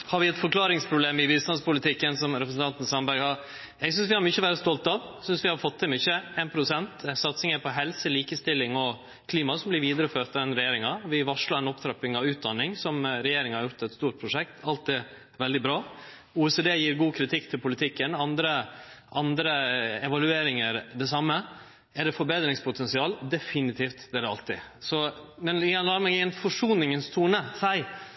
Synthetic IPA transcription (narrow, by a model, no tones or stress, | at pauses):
hɑɾʋɪɛt̪fɔkʰlɑːɾɪŋspʰɾʊbleːmɪʋiːst̪ɑnspʊlɪt̪ʰɪkːənsɔmɾɛpɾəsn̩t̪ɑnt̪ən̩sɑmbæɾɡhɑɾ | jɛɪɡsʏns̬ʋɪhɑɾmʏçəʋæːɾəst̪ɔlt̪ɑʋsʏnsʋɪhɑɾfɔt̪ʰːɪmʏçəeːnpʰɾʊsɛnt̪sɑt̪sɪŋəɾpʰɔɦɛlsəliːkəst̪ɪlːɪŋɔ | kʰliːmɑsɔmblɪɾʋiːd̪əɾəføːt̪ɑd̪ɛnɾɛjeːɾɪŋɑʋɪʋɑʂlɑɾɛnɔpt̪ʰɾɛpɪŋɑʉːt̪̚d̪ɑnːɪŋsɔmɾɛjeːɾɪŋəhɑɾjʊɾt̪ɛt̪st̪uːɾʈ̪̚pʰɾʊʂɛk̚t̪ʰɑlt̪̚d̪ɛ | ʋɛld̪ɪbɾɑː | uːɛseːd̪eːjiːɾɡuːkʰɾɪt̪ʰɪkːt̪ʰɪlpʰʊlɪt̪ʰɪkːənɑnd̪ɾəʔɑnd̪ɾəɛʋɑlʉeːɾɪŋəɾd̪ɛsɑmːə | æɖɛfɔɾbeːd̪ɾɪŋspʰʊt̪ʰɛnsɪɑːld̪ɛfɪnɪt̪ʰiːft̪d̪ɛɑ̰lt̪ɪsɔmɛnɪjɛnlɑːəmɛɡɛnfɔʂuːnɪŋənst̪ʰuːnəsæɪ